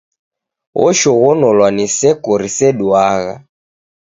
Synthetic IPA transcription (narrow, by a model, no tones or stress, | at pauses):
ɣɔ̰ʃɔɣɔnɔlwanisɛkɔɾisɛɗuaɣa̰